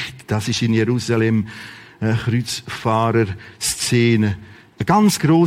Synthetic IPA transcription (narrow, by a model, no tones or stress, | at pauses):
td̥asɪʃɪnjɛɾuːsalɛməxɾyt͡sfaːɾəɾst͡seːnə | əɡ̥ant͡sɡ̥ɾoː